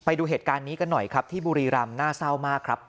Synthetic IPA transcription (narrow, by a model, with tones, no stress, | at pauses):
pa˧jduː˧ɦeː˨˩t̪̚kaː˧nːiː˦˥ka˧nːɔ˨˩jkʰɾa˦˥p̚t̪ʰiː˥˩buː˧ɾiː˧ɾa˧mnaː˥˩sa˥˩wmaː˥˩kʰɾa˦˥p̚